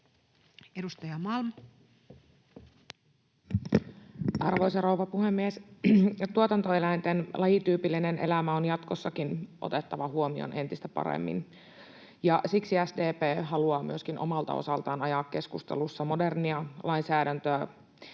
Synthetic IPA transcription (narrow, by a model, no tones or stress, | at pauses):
edust̪ɑjɑmɑlm | ʔɑrʋo̞jsɑrowʋɑpuhemːies | t̪uot̪ɑnt̪oe̞læint̪enlʔɑjit̪yːpilːinenʔe̞̰læmæo̞njɑt̪kosːɑkinʔo̞̰t̪e̞t̪ːɑʋɑhuomio̰nʔe̞nt̪ist̪æpɑ̰ɾḛmːḭn | jɑsiksiæsdeːpeːɦɑluɑːmy̰øskinʔo̞̰mɑlt̪ɑ̰o̰sɑlt̪ɑːnɑjɑkːe̞skust̪ḛlusːɑmo̞de̞rniɑlʔɑinsæːdænt̪øæ